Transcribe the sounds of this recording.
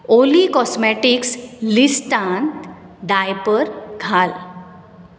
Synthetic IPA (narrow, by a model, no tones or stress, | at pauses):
olikɔsmɛʈikslisʈãntɖajpəɾɡʱal